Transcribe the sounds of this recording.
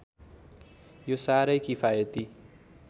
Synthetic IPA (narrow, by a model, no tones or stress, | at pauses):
josaɾʌjkipʰajʌt̪i